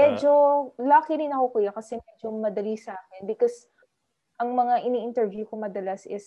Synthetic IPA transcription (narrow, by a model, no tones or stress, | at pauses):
mɛd͡ʒolaːkɪɾɪnɐkokujakɐsɛmɛd͡ʒomɐd̪ɐlisaːkɪnbɪkos | ʔɐŋmɐŋaʔɪniʔɪnt̪ɛɹvjukomɐd̪ɐlasʔɪs